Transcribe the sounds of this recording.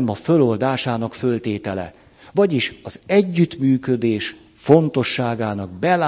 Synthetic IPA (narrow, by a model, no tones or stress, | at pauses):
mɒfø̞lo̞ld̪aːʃaːnɒkfø̞lt̪eːt̪ɛlɛ̰ | vɒɟiʃɒzɛɟːyt̪myːkø̞d̪eːʃ | fo̞nt̪o̞ʃːaːɡaːnɒɡ̚bɛla